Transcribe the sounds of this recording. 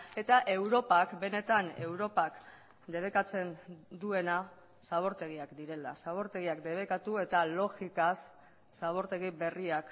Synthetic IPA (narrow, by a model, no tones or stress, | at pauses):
e̞t̪aʔe̞wɾo̞pakbe̞ne̞t̪ane̞wɾo̞pak | d̪e̞β̞e̞kat͡se̞nd̪ue̞na | saβ̞o̞ɾt̪e̞ɣ̞iakd̪iɾe̞la̰saβo̞ɾt̪e̞ɣ̞iakd̪e̞β̞e̞kat̪ue̞t̪alo̞ɣikasː | aβ̞o̞ɾt̪e̞ɣ̞ibe̞riak